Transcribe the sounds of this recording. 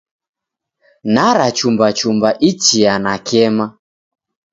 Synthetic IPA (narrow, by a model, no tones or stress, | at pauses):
naɾat͡ʃumbat͡ʃumbaʔit͡ʃianakɛma